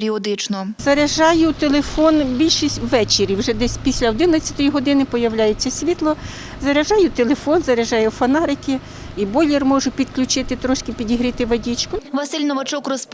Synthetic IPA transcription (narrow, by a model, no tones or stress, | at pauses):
ɾʲiɔd̪ɪt͡ʃnɔzɐɾɐʒɑjʊt̪elˠefɔnbʲilʲʃisʲtʲʋɛt͡ʃeɾʲiwʒɛd̪ɛsʲpʲisʲlʲɐɔd̪ɪnɐt͡sʲːɐt̪ɔjiɦɔd̪ɪnɪpɔjɐwlʲajet͡sʲːɐsʲʋʲit̪lˠɔ | zɐɾɐʒɑjʊt̪elˠefɔnzɐɾɐʒɑjɛwfɐnɑɾɪkɪ | ibɔlʲirmɔʒʊpʲid̪̥klʲʊt͡ʃɪt̪ɪt̪ɾɔʃkɪpʲidʲiɦɾɪt̪ɪʋɐdʲit͡ʃkʊʋɐsɪlʲnɔʋɐt͡ʃɔkrɔsp